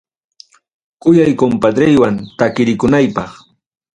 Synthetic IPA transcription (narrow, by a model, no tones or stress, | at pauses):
kʊjajkompad̪ɾɪjwant̪akɪɾɪkʊnajpɑχ